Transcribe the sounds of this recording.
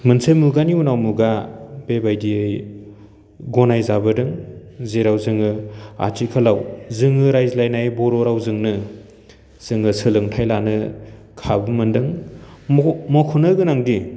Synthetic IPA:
mɯnsʰɯjmuɡaniunawmuɡab̥ebajdiɯj | ɡɔnajzabɯdɯŋzeɾawzɯŋɯa̰tikʰalawzɯŋɯɾajzlajnajbɔɾɔɾawzɯŋnɯ | z̥ɯŋɯsɯlɯŋtʰajlanɯ | kʰabɯmɯndɯŋ | mɔkʰunɯɡɯnaŋdi

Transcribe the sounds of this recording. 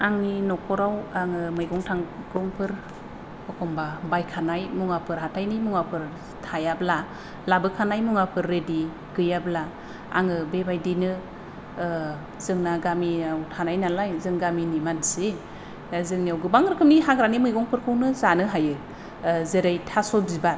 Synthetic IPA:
aŋninɔkʰɔɾawaŋɯmɯjɡɔŋtʰaŋɡɔŋpʰɯɾ | ɔkʰɔmbabajkʰanajmuŋapʰɯɾɦatʰajnimuŋapʰɯɾ | tʰajabla | labɯkʰanajmuŋapʰɯɾːedi | ɡ̥ɯjabla | a̰ŋɯbebajdinɯ | z̥ɯŋnaɡamiawtʰanajnalajzɯŋɡaminimanse | zɯŋniawɡɯbaŋɾɯkʰɯmniɦaɡɾanimɯjɡɔŋpʰɯɾkʰɯwnɯzanɯɦajɯ | zeɾajtʰasɔb̚ziba

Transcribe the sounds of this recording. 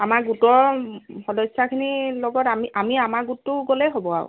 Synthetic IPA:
amaɡutɔɹxɔdɔsakʰinilɔɡɔtamiʔamiamaɡutːʊɡolɛɦobɔa̰ʊ̰

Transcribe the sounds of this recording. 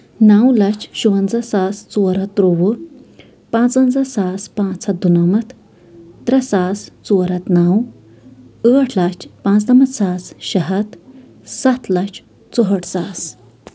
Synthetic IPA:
nawlɐt͡ʃʰɕuʋɐnd͡zasast͡suɾat̪ːɾoʋu | pãt͡sənd͡zasaspãt͡sʰɐd̪unamɐt̪ʰ | t̪ɾɐsaːst͡suɾɐt̪naw | əəʈʰlat͡ʃʰpãt͡sd̪ɐmɐt̪saːsɕɐɦɐt̪ | sat̪ʰlɐt͡ʃʰ | t͡soɦəʈʰsas

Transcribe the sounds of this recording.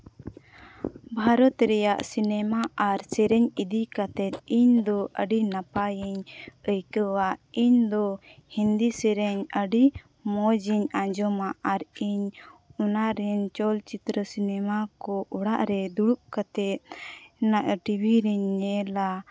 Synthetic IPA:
bʱaɾɔt̪ɾɛjaʔsinɛmaʔaɾsɛɾɛɲid̪ikat̪ɛt̪̚iɲd̪ɔʔəɖinapajiɲəjkəwaʔiɲd̪ɔhind̪isɛɾɛɲəɖi | mɔd͡ʒiɲãɲd͡ʒɔmaʔaɾiɲɔnaɾɛɲt͡ʃɔlt͡ʃit̪ɾəsinɛmakɔʔɔɽaʔɾɛd̪uɽup̚kat̪ɛt̪̚naʔʈibʱiɾɛɲːɛla

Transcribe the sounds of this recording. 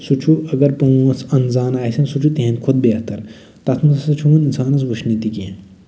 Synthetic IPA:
sut͡ʃʰuɐɡɐɾpɐ̃ɐsɐnzaːnaːsɐnsut͡ʃʰut̪iɦẽnkʰʊd̪̚beːt̪ɐɾ | t̪ɐt̪ʰmɐsɐt͡ʃʰumɐninsaːnɐs̬ʋuʃʰnit̪ikiḛ̃

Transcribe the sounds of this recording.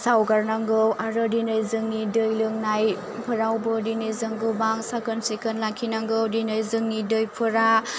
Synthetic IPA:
sawɡaɾnaŋɡɯwʔaɾɯdinɯjzɯŋnidɯjlɯŋnaj | pʰɯɾawbɯdinɯjzɯŋɡɯbaŋsakɯnsikɯnlakʰinaŋɡɯwdinɯjzɯŋnidɯjpʰɯɾa

